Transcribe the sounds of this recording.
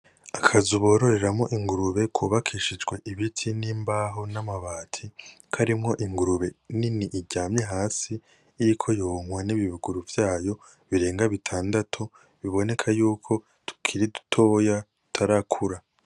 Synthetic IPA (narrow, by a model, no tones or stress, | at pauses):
akʰazuβo̞ːɾo̞ɾe̞ɾamŋo̞̰ʔiŋɡuɾuβe̞kʰuːβakʰiʃid͡ʒɡwe̞ʔiβitʰiniːmbaːɦonamaβaːtʰi | kʰaɾimŋo̞ʔiŋɡuɾuβe̞niniʔːɟaːmɲeɦaːsiː | ɾikʰo̞joŋwaniβiβuɡuɾuvjaːjo̞ | βiɾe̞ːŋɡaβitʰaːndatʰu | βiβo̞ne̞kʰajuːkʰo̞ | tʰu̥kʰiɾidu̥tʰo̞ːjatu̥tʰaɾakʰuɾa